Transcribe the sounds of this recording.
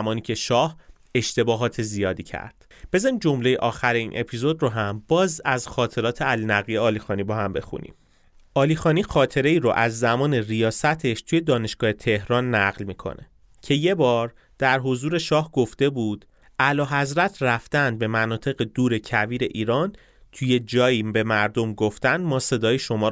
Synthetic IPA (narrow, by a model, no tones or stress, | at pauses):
mɒːniːcʰe̞ʃɒːh | e̞ʃt̪ʰe̞bɒːɦɒːt̪ʰe̞zijɒːd̪iːcʰæ̰ɾd̪̥ | b̥e̞zɒnimd͡ʒo̞mle̞jeʔɒːxæɾeiːnʔe̞pʰizo̞d̪ɾoɦæmbɒːzæzxɒːt̪ʰe̞ɾɒːt̪ʰeælinæɣijeɒːlixɒːnibɒhæmbe̞xṵnḭm | ʔɒːlixɒːniːxɒːt̪ʰe̞ɾe̞iːɾoʔæzːæmɒːne̞rijɒːsæt̪ʰe̞ʃt̪ʰuje̞d̪ɒːne̞ʃɡ̥ɒːhe̞t̪ʰe̞hɾɒːnːæɢlmiːkʰo̰ne̞ | cʰe̞je̞bɒːɾ | d̪̥æɾɦo̞zuːɾe̞ʃɒːhɡoft̪e̞buːd̪̥ | ʔælɒːɦæzɾæt̪ʰræft̪ænd̪̚be̞mænɒːt̪ʰe̞ɣe̞d̪uːɾe̞cʰæviːɾe̞ʔiːɾɒːn | t̪ʰuje̞d͡ʒɒːjiːbe̞mæɾd̪omɡoft̪ænd̪mɒːse̞d̪ɒːjiʃo̞mɒː